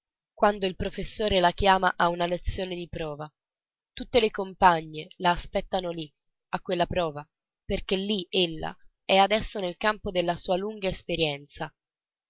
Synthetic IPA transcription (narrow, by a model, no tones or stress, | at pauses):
kwand̪oilpɾofesːoːɾelakjaːmaʔaunalet̪sːjoːned̪ipɾɔːva | t̪ut̪ːelekompaɲːelaːspɛt̪ːanoli | akːwelːapɾɔːva | perk̟elːielːa̰ | ɛad̪ɛsːonelkampod̪elːasuːaluŋɡaespeɾjɛnt̪sa